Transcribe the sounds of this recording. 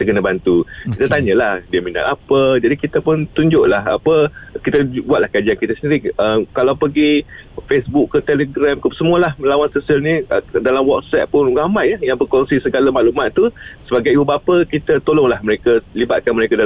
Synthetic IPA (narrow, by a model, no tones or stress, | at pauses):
kit̪əkənabant̪ukit̪at̪aɲə̃lahdiəmina̰ʔapəd͡ʒadikit̪apʊnt̪uɲd͡ʒʊʔlaɦa̰pəkit̪əbuat̪̚lahkad͡ʒiankit̪asəndiɾiəmkalawpəɡifesbukːət̪eləɡɾamkəsəmuəlahməlawansosialnĩdalamwɔt̪̚sɛt̪̚pʊnramãjəjaŋbərkɔŋsisəɡalamaʔlumat̪ːusəbaɡajibubapəkit̪at̪olɔŋlahməɾekalibat̪̚kanməɾekada